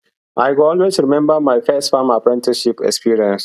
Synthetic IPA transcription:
ʔajkɔlwestɾimɛ̃mbamajfɛstfãmapɹɛ̃ntiʃipɛ̰kspiɹiɛ̃ns

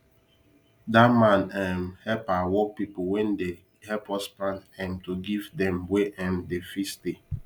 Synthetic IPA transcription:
damãnɛmhɛpawɔpipʊwɛ̃nde | hɛpɔspãnɛ̃mtuɡivdɛ̃mweʔɛ̃mdefisti

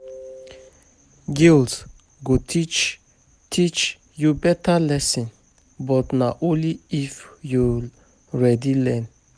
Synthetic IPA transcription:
ɡils | ɡot̪ʰit͡ʃ | t̪ʰit͡ʃ | jubɛt̪alɛsin | bɔt̪naʔuliifjul | ɾɛd̪ilɛn

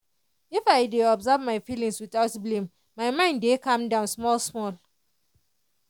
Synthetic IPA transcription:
ifaɪdeɔbzavmaɪfilĩŋswitaʊtblĩm | maɪmãɪ̃ndekãmdãʊ̃nsmɔlsmɔl

